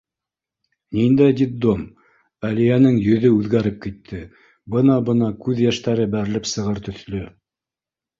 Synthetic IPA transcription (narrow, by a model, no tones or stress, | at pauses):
nind̪æjd̪it̪̚d̪om | ælijænɘŋjɵ̆ðɵʉðɡæɾɘp̚kit̪ʰːɘ | bɤnɑbɤnɑkʉðjæʃt̪æɾɘbæɾɘ̆lɘpsɤ̆ʁɤɾt̪ɵ̆θlɵ